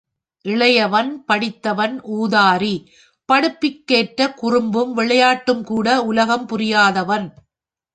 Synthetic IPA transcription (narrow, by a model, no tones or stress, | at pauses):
ʔɪɭɐjɐʋɐnpɐɽɪt̪ːɐʋɐnʔuːðaːɾi | pɐɽɯpːɪkːeːʈɾɐkʊɾʊmbɯmʋɪɭɐjaːʈːɯmkuːɽɐʊlɐɣɐmpʊɾɪjaːðɐʋɐn